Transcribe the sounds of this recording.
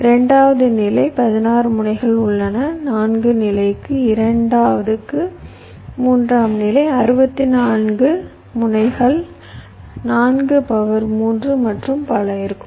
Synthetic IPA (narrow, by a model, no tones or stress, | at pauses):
ɪɾɐɳɖaːʋɐðɯnɪlɐɪpɐðɪnaːrɯmʊɳɐɪɣɐɭʊɭːɐnɐnaːnɡɯnɪlɐɪkːɯɪɾɐɳɖaːʋɐðɯkːɯ | muːndraːmnɪlɐɪɐɾɯbɐt̪ːɪnaːnɡɯ | mʊnɐɪɣɐɭ | naːnɡɯpɐʋɐɾmuːndrɯmɐʈrɯmpɐɭɐɪɾɯkːɯm